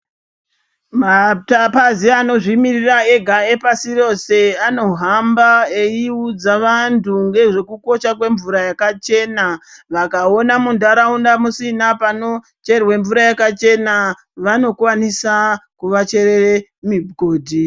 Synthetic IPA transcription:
matapaziano̞ʐimiriraeɡʱae̞pasiro̞se̞ano̞ɦambaeiud͡zaʋantʰuŋɡe̞ʐe̞kuko̞ʃak̬we̞ɱvuɾajakat͡ʃe̞naʋakao̞namunduaɾaundamusinapano̞ | t͡ʃe̞rweɱvuɾajakat͡ʃe̞na | ʋano̞kwanisakuʋat͡ʃe̞reemibɡʱo̞ːdʱi

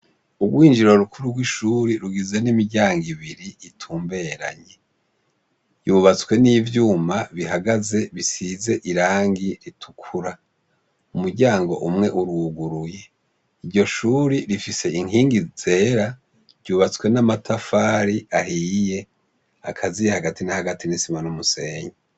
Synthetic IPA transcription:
uɡwiːnd͡ʒiɾo̞ɾukʰuɾuɾɡwiʃuːɾiɾuɡizenimiɾɟaːŋɡiβiɾiːtʰuːmbe̞ːɾa̰ɲe̞ | juːβat͡skwe̞niːvjuːmaβiɦaɡaze̞βisize̞ʔiɾaːŋɡiɾitʰu̥kʰuɾa | umuɾɟaːŋɡo̞ʔumŋe̞ʔuɾuɡuɾuje̞ | iɾɟjo̞ʃuːɾiɾifise̞iŋhiːŋɡizize̞ːɾa | ɟuːβat͡skwe̞namatʰafaːɾiʔahije̞ | akʰazijehaɡatinahaɡatʰinisimanumuse̞ːɲe

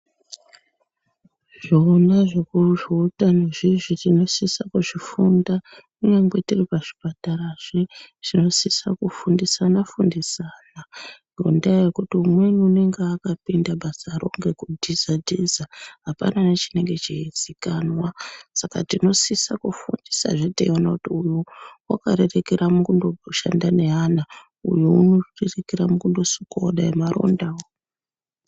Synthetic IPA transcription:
ʐ̥onaʐe̞kuʐiutanoʐiʐitino̞sisakuʐifunda | uŋaŋɡe̞tiripaʐ̥ipataɾaʐeʐ̥ino̞sisakufundisanafundisaːnaŋɡo̰ndajekutiumwe̞nuune̞ŋɡeakapindaɓasaːɾo̞̰ŋɡe̞kudʱizadʱizaɦapa̰nanat͡ʃine̞ŋɡe̞t͡ʃiizikanwasakatino̞sisakufundisa̰ʐeteiwanakutiujuwa̰kaɾe̞re̞keɾamukundo̞oʃa̰ndane̞ɦana | ṵjuunorerekeɾamukundo̞suko̞ɗaemaɾo̰ndao

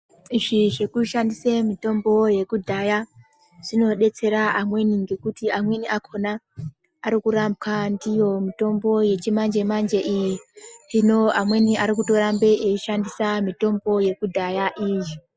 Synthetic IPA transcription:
iʐiʐe̞kuʃandisemito̞mbo̞je̞kudʱaja | ʐ̥ino̞ɗe̞t͡se̞ɾaʔamwe̞niŋɡe̞kutiamwe̞niʔakʰo̞naː | ɾikuɾamkandijo̞mito̞mbo̞je̞t͡ʃimand͡ʒe̞mand͡ʒe̞ʔijirinoamwe̞niaɾikuto̞ɾambe̞ʔeʃandisamito̞mbo̞je̞kudʱajaʔiːji

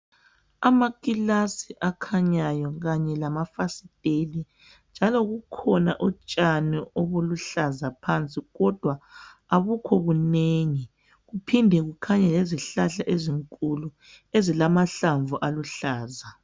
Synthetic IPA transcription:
amakʼilasiʔakʰaɲajɔɣaɲɛlamafasitʼeli | nd͡ʒʱalɔɣukʰɔnaʔut͡ʃʼanioβuluɬazapʰant͡sʼiɣɔd̥ʱwaaβukʰɔβuneːŋi | ɣupʰindʱɛɣukʰaɲɛleziɬaɬaʔeziŋkʼulu | ezilamaɬaɱvuʔaluɬaːza

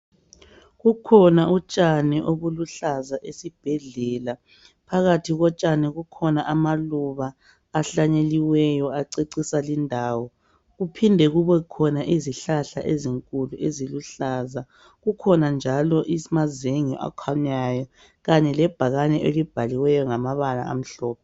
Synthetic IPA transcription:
ɣukʰɔnaut͡ʃʼaniʔoβuluɬazaʔesib̥ʱɛɮɛla | pʰaɣatʰiɣɔt͡ʃʼaniɣukʰɔnaʔamaluβaː | ɬaɲeliwɛjɔaǀeǀisalindʱaːwɔ | ɣupʰindʱɛɣuβɛkʰɔnaʔiziɬaɬaʔeziŋkʼuluʔeziluɬaza | ɣukʰɔnand͡ʒʱalɔʔimazeŋḭʔa̰kʰaɲajɔ | ɣaɲɛlɛb̥ʱaɣanɛʔelib̥ʱaliwɛjɔŋamaβala̰a̰m̩ɬɔːp̚ʰɛ

